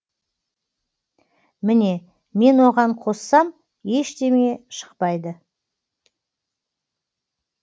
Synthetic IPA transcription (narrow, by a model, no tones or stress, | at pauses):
mɪne̞ | me̞nwo̞ʁɑɴqʰo̞sːɑm | je̞ʃt̪e̞me̞ʃə̥qpɑjd̪ə